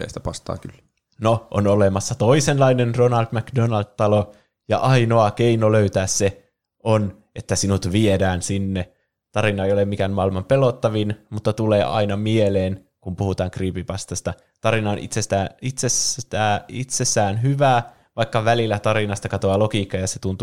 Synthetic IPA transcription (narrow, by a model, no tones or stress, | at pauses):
ḛisi̥t̪æ̥pɑst̪ɑ̰ːkylː | noʔo̰nolemɑsːɑt̪oisenlɑinenronɑld̪mækdonɑld̪t̪ɑlo | jɑ̰ʔɑino̞ɑkeinoløyt̪æːsse | ʔon | et̪ːæsinut̪ʋiedæːnsinːe | t̪ɑɾinɑejolemmikænmɑilmɑmpelot̪ːɑʋinmut̪ːɑt̪uleːʔɑ̰inɑmieleːn | kumpuhut̪ɑːŋkriːpipɑst̪ɑst̪ɑ | t̪ɑɾinɑonʔḭt̪sest̪æːit̪sest̪æːit̪sesːæːnɦyʋæː | ʋɑikːɑʋælilːæt̪ɑɾinɑst̪ɑkɑt̪oɑlokiːkːɑjɑset̪unt̪u